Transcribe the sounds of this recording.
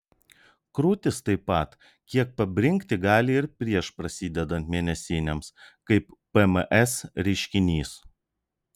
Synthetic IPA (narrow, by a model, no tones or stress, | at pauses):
kɾuːt̪ʲɪst̪ɐɪpːɐˑt̪ | kʲiɛk̚pɐbʲɾʲɪŋʲˑkt̪ʲɪɡɑːlʲɪɪɾpʲɾʲiɛʃpɾɐsʲiːd̪ʲɛd̪ɐnt̪ʲmʲeːnʲɛsʲiːnʲɛmskɐɪppɛmʔɛsɾʲɛɪʃʲkʲɪnʲiːs